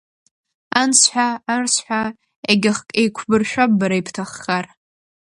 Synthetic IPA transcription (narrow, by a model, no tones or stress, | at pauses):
ansħʷᶣaːrsħʷᶣa | eɡʲaχkʼejkʷʰbɨrʃᶣabbaɾaipʰtʰaχːar